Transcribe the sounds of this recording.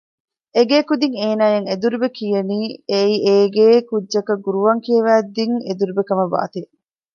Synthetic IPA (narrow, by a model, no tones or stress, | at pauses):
eɡeːkud̪iŋeːnaːjeŋed̪uɾubekijɐniːeieːɡeːkudʒɐkɐɡuɾuʋɐŋkijɐʋæːd̪ːiŋed̪uɾubekɐmɐba̰ːt̪e